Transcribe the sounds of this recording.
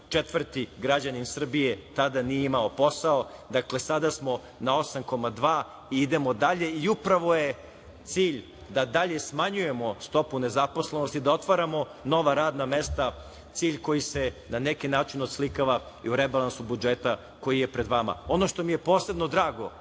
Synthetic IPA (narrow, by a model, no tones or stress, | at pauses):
t͡ʃet̪ʋr̩t̪iɡɾad͡ʑaninsr̩bijet̪ad̪anijeimaopo̞saod̪akle̞sad̪asmo̞ | nao̞samko̞mad̪ʋaː | iid̪e̞mo̞d̪aʎe̞iupɾaʋo̞je̞ | t̪siːʎ | d̪ad̪aʎe̞smaɲuje̞mo̞st̪o̞pune̞zapo̞sle̞no̞st̪id̪ao̞t̪ʋaɾamo̞no̞ʋaɾaːd̪name̞st̪a | t̪siːʎko̞jisenanekinaːt͡ʃino̞d̪slikaʋa | ḭuɾebalˠansubud͡ʒet̪a | ko̞jije̞pɾed̪ʋama̰ono̞ʃt̪o̞mije̞poːsle̞bno̞d̪ɾaːɡo̞